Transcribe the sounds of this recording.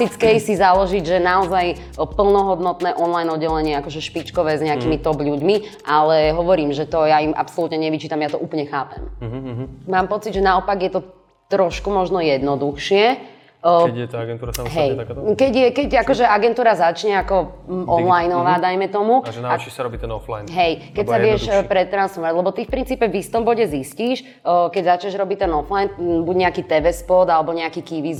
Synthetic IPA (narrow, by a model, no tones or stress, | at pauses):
it͡skɛjsizalɔʒiɟʒɛnaɔzaj | pl̩nɔɦɔd̪nɔt̪nɛːʔɔnlajnɔd̪ːɛlɛɲɪɛakɔʒɛʃpit͡ʃkɔʋɛːzɲɛakiːmit̪ɔbʎuɟmiʔalɛɦɔʋɔɾiːmʒɛt̪ɔjaimʔa̰psɔlut̪ɲɛɲɛʋit͡ʃiːt̪amjat̪ɔʔuːpl̩ɲɛxaːpɛ̰m | maːmpɔt͡sid̪ʒɛnaɔpaɡjɛt̪ɔ | t̪ɾɔʃkumɔʒnɔjɛd̪nɔd̪uxʃɪɛ | ɛɛt̪aaɡɛnt̪uːɾasaɦɛj̪akkɛɟjɛkɛɟakɔʒɛaɡɛnt̪uːɾazat͡ʃɲɛakɔ | ʔɔnlajnɔʋaːd̪ajmɛt̪ɔmuʒnaat͡ʃiʃsaɾɔbiːt̪ɛnɔfla̰jnɦɛjkɛcsaʋɪɛʃpɾɛt̪ːɾansfɔɾaɟlɛbɔt̪ifpɾint͡siːpɛʋist̪ɔmbɔɟɛzisciːʃ | kɛɟzat͡ʃɲɛʒɾɔbic̚t̪ɛnɔflajnbuɟɲɛakiːt̪ɛʋɛspɔd̪alɛbɔɲɛakiːkiʋiz